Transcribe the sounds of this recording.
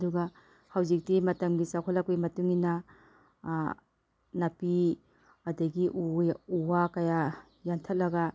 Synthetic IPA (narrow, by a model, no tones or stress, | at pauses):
ɐduɡɐ | hawzik̚timɐtɐmɡisakʰolak̚pijmɐtuŋinɐ | nɐpi | ɐdɐɡiʔuuwakɐja | jantʰɐt̚lɐɡɐ